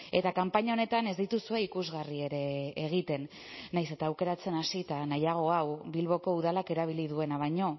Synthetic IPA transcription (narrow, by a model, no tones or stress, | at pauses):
e̞t̪akampaɲao̞ne̞t̪ane̞zd̪it̪usue̞ikuzɣarie̞ɾe̞ːɣ̞it̪e̞nː | ajse̞t̪aːwke̞ɾat͡se̞nasit̪anajaɣ̞o̞awbilβo̞ko̞uðalake̞ɾaβ̞ilið̞ue̞naβ̞aɲo̞